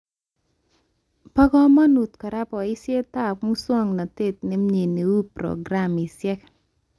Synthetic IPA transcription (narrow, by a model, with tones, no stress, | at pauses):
pɔ˦ɡɔ˦ma˦nu˨t̪ka˨ɾa˦pɔ˨ɪ˦sje˦t̪a˦˨kmu˦swɔ˦ŋna˨te˦t̪̚nɪ˦mɲi˨ni˨wu˦pɾɔ̰˨ɡɾa˦˨mɪ˨sjɛ˦k